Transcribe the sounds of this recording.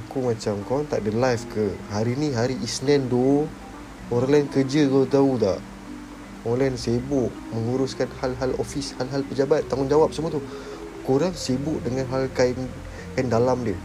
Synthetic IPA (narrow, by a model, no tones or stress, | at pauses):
akumãt͡ʃamkɔnt̪aʔdəlajfkəhaɾinĩɦaɾiʔisnɛndo | oɾlɛnkəd͡ʒəɡət̪aut̪a̰ʔ | olɛnsebʊʔ | məŋuɾʊskanhalɦalofishalɦalpəd͡ʒabat̪ːaŋʊnd͡ʒawap̚səmuat̪u | kuɾaŋsebʊʔdəŋanɦalkan | kandalamdiə